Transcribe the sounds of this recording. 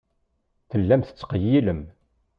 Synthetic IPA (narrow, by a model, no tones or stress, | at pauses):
θəlːæmθə̥t͡sːqəjːiləm